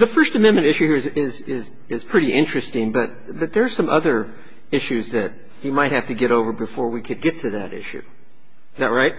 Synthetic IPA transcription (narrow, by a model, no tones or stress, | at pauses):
ðɨfɜ˞stɨmɛ̃nmɨ̃ñtɪʃʉhiɹɨzɪzɪz̥ | ɪz̥pʰɹ̥ɪɾiʔɪ̃nt͡ʃɹ̥ɨstɪ̃ŋbʌt̚ | bʌt̪̚ðə˞ːsʌ̃mʔʌðə˞ | ɪʃʉzðɨt͡ʃ | ɨmaɪt̚hæftɨɡɛɾoʊvə˞bɨfɔɹwikʰɨd̚ɡɛtʰɨðɨ̰ɾɪ̰ʃʉ̰ | ɨzðæt̚ɹaɪt̚